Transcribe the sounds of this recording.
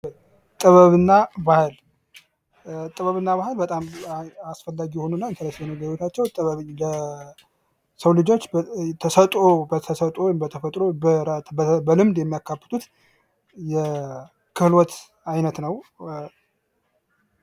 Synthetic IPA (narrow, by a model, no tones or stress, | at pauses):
t̪ʼɨβəβɨnːabahɨl | t̪ʼɨβəβɨnːaβahɨlbət̪ʼamasfəlːaɡijɛho̞nunːaɨnt̪ələsjɛnəɡəɾot̪ʰat͡ʃːɛwt̪ʼɨβəβlə | səwlɨd͡ʒo̞t͡ʃːt̪ʰəsət̪ʼobət̪ʰəsət̪ʼombət̪ʰəfət̪ʼɾobəɾat̪bəbəlɨmd̪jɛmːijakːafːə̥t̪ʰut̪ | jɛ | kʰɨflwɔt̪ | ajnət̪nəw